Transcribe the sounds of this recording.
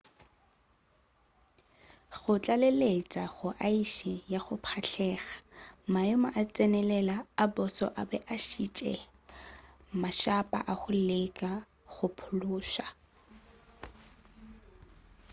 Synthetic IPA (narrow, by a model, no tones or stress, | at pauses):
ɣʊt͡ɬʼalelet͡sʼaɣʊʔaisijaχʊpʰaɬʰɛːɣḁmajɔmaʔat͡sʼɛnɛlɛlaːbɔsɔ̰ʔabɛʔaʃit͡ʃʼɛ̰ | maʃapʼa̰ʔaχʊlekʼa | ɣʊpʰʊlʊːʃa